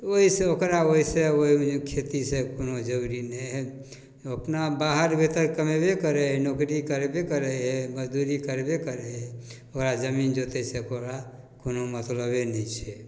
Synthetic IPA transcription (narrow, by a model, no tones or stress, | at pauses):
oiseokɾaoiseoikʰet̪isekonod͡ʒəɾuɾinəɦe | opnabaːɦəɾbet̪əɾkəmebekəɾeɦenoːkɾikəɾebekəɾeɦeməd͡ʒd̪uɾikəɾebekəɾeɦe | okɾad͡ʒəmiːnd͡ʒot̪esekoɾa | konomət̪ləbenəĩt͡ʃʰe